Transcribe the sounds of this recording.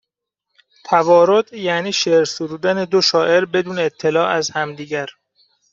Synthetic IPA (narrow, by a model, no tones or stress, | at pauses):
t̪ʰævɒːɾod̪̥jæniːʃeɾsud̪uːd̪æned̪oʃɒːʔe̞ɾbe̞d̪uːneːt̪ʰːe̞lɒːæzhæmd̪iːɟæɾ